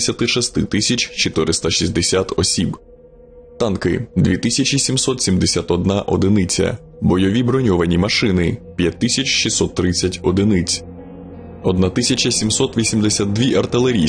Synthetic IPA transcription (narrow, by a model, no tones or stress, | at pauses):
sʲɐt̪ɪʃɛst̪ɪt̪ɪsʲɐt͡ʃʲt͡ʃɔt̪ɪɾɪst̪ɐʃizʲd̪esʲat̪ɔsʲib | t̪ɑnkɪd̪ʲʋʲit̪ɪsʲɐt͡ʃʲisʲimsɔt̪sʲimd̪esʲat̪ɔd̪nɑʔɔd̪ɪnɪt͡sʲɐ̰ | bɔjɔʋʲibɾɔnʲɔʋɐnʲimɐʃɪnɪpʲjɐt̚ʲt̪ːɪsʲɐt͡ʃʲʃisɔt̪ːɾɪt͡sʲːɐtʲɔd̪ɪnɪt͡sʲ | ɔd̪nat̪ɪsʲɐt͡ʃɐsʲimsɔt̪ʋʲisʲimd̪esʲat̪̚d̪ʋʲiʔɐrt̪ɪlˠeɾʲi